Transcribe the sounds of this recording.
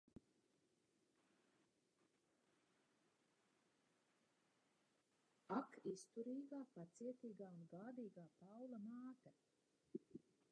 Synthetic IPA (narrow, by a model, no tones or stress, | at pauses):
akist̪uɾiːɡaːpat̪siɛt̪iːɡaːunɡaːd̪iːɡaːpawlamaːt̪a